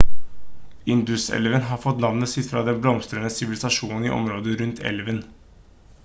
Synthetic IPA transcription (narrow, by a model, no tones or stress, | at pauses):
ɪnd̪ʉsɛ̰lʋənɦɑfɔt̪lɑnːəsɪt̪ːɾɑd̪ɛnblɔmst̪ɾənəsɪʋɪlɪsɑʂuːnn̩iʔɔ̰mɾoːd̪əɾʉnt̪ʰɛ̰lʋən